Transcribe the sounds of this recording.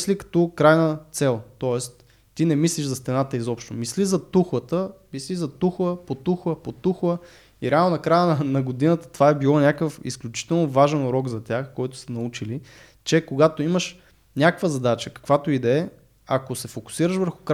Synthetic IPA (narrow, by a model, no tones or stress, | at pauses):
slikɐ̥t̪ɔkɾajnət̪sɛlˠt̪ɔɛst̪ | t̪ːinɛmisliʃzɐst̪ɛnat̪əizɔpʃt̪omislizɐt̪uxlˠət̪əmislizɐt̪uxlˠəpot̪uxlˠəpot̪uxlˠə | iɾɛalˠnonɐkɾajənnɐɡod̪inət̪ə̥t̪ovaɛbilˠɔnʲakəfḭsklʲʊt͡ʃi̥t̪ɛlˠnovaʒɛnɾɔɡzɐt̪ʲaxkɔjt̪ʊ̥sɐnɐut͡ʃili | t͡ʃɛkoɡat̪oiməʃ | nʲakkvəzɐd̪at͡ʃəkɐ̥kvat̪oid̪ɛɛ | ɐkosɛfokʊ̥siɾəʃvəɾxʊ̥k